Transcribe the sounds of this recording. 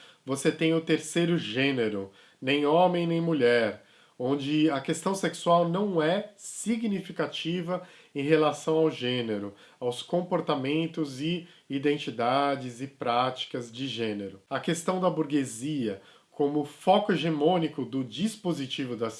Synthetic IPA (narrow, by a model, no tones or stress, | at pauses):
voset̪ẽj̃ʊt̪eɾsejɾʊʒẽneɾʊ | nẽj̃õmẽj̃nẽj̃muʎɛɾ | õd͡ʒɪɐkest̪ɐ̃w̃seksuawnɐ̃w̃ɛsiɡnifikat͡ʃivɐ | ẽj̃ɦelasɐ̃w̃awʒẽneɾʊ | awskõmpoɾt̪amẽnt̪ʊzɪid̪ẽnt͡ʃid̪ad͡ʒɪzɪpɾat͡ʃi̥kɐzd͡ʒɪʒẽneɾʊɐkest̪ɐ̃w̃d̪ɐbuɾɡeziɐ | kʰõmʊfɔkʊeʒemõnikʊd̪ʊd͡ʒispozit͡ʃivʊd̪ɐs